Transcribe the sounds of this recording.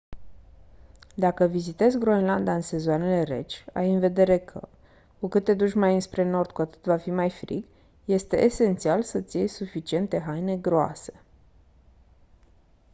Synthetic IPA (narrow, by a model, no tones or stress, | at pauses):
d̪akəvizit̪e̞zɡɾo̞enland̪aɨnse̞zoane̞le̞ɾe̞̰t͡ʃʲa̰jɨnve̞d̪e̞ɾe̞kʰə̰ | kukɨt̪ːe̞d̪uʃmajɨnspɾe̞no̞rd̪̥̚kuat̪ɨ̥t̪vafimajfɾḭk | je̞st̪e̞ʔese̞nt̪sialsət̪sʲjejsufit͡ʃie̞nt̪e̞ɦajne̞ɡɾoa̰se̞̥